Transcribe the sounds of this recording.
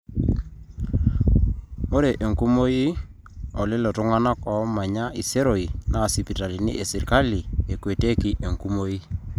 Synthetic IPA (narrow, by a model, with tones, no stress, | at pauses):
mo˦ɾe˨ʔe˨ŋku˦mo˦i˦ | ɔ˨lɪ˦lɔ˨tʊ˦ŋa˦na˦kɔ˨˦ma˨ɲa˦ʔi˨se˦ɾo˨i˨na˦˨si˨pi˨ta˨li˨nḭ˦ʔe˨si˨ɾka˦li˨e˨kwe˨te˦ki˨ʔe˨ŋku˦mo˦i˦